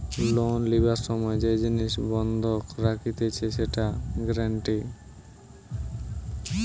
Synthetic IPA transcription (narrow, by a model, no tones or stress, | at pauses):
lonlibaɾʃɔmɔed͡ʑed͡ʑiniʃbɔnd̪ʱokɾakʰit̪et͡ɕʰeʃeʈaɡɾaɳʈi